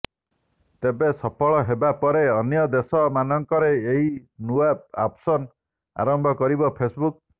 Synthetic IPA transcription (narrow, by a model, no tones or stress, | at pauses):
t̪ebesɔpʰɔɭɔɦebapɔɾeɔnjɔd̪esɔmanɔŋkɔɾeːɦinuapapsɔn | a̰ɾɔmbʱɔkɔɾibɔpʰesbuk̚